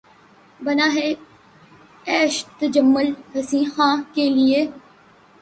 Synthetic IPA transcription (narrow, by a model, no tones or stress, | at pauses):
bənaːɦeː | ɛːʃt̪əd͡ʒəmːʊlɦəsĩːhãːkeːlɪeː